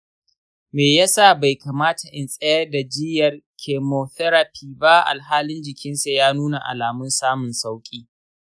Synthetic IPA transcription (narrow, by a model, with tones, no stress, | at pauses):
meː˨ja˦sa˦˨ba˨jka˨maː˦ta˨ʔɪ˨nsʼɛ˦jɐ˦rda˨d͡ʒɪ˦jɐ˨rkʲʰeː˨moː˨θɛ˦ɾa˨pʰiː˨ba˦ʔa̰˨lɦaː˦lɪ˦nd͡ʒɪ˨kʲɪ˦nsa˨jaː˦nuː˦na˨ʔa̰˨laː˨mʊ˦nsaː˦mʊ˨nsa˦wkʲʼiː˦